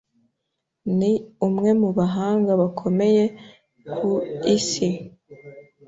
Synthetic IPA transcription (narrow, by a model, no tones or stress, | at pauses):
niumŋe̞muβaɦaːŋɡaβakʰo̞me̞je̞ | kʰuisi